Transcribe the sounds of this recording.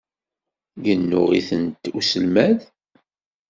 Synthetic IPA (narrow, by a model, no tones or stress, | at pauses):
ʝənːʊʁiθənt̪usəlmæð